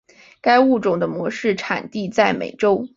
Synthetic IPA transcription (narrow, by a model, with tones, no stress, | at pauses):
ka˥ɪu˥˩ʈ͡ʂʊ˨˩ŋd̪ə˦mwɔ˧˥ʂɻ̩˥˩ʈ͡ʂʰa˨˩nt̪i˥˧t͡sa˥˩ɪmḛ˨˩ɪʈ͡ʂo˥ʊ